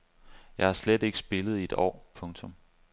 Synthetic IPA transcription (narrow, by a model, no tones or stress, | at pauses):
jɑ̈ɪhɑ̈sled̥e̝ɡ̥əsb̥e̝lð̩ˠie̝d̥ɒ̰ːpʰɔ̽ŋt͡sʰɔ̽m